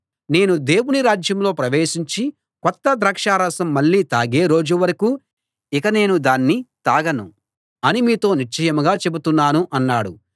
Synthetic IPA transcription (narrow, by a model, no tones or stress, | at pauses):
ne̞ːnud̪e̞ːwuniɾaːd͡ʒjɐmlo̞ːpɾɐʋeːʃiɲt͡ʃi | kɔt̪ːɐd̪ɾɐːkʂaːɾɐsɐmːɐɭːiːt̪aːɡeːɾo̞ːd͡ʒuʋɐɾɐku | ikɐne̞ːnud̪aːnːit̪aːɡɐnṵ | ɐnimiːt̪o̞ːniɾt͡ʃɐjɐmuɡaːt͡ʃe̞but̪unːaːnuʔɐnːaːɽṵ